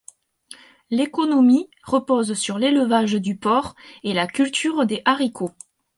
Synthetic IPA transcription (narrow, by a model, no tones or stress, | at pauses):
lekɔnɔmi | ʁəpɔzsyʁleləvaʒd̪ypɔʁelakʲylt̪ʰyʁd̪eʔaʁikʰo